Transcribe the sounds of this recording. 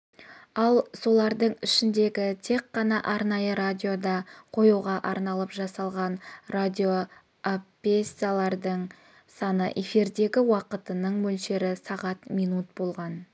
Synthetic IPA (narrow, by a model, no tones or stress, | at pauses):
ɑlˠso̞lˠɑɾd̪əɴɪʃɪnd̪e̞ɡʲɪt̪ʰe̞kqːɑnɑʔɑɾnɑjəɾad̪ʲio̞d̪ɑqʰo̞juʁɑʔɑɾnɑlˠəpʒɑsɑlˠʁɑnrad̪ʲio̞ | apesijalˠɑɾd̪əɴ | sɑnə̰ʔe̞fiɾd̪e̞ɡʲɪwɑqət̪ənəɴmɵlʃe̞ɾɪsɑʁɑt̪mijnut̪̚bo̞lˠʁɑn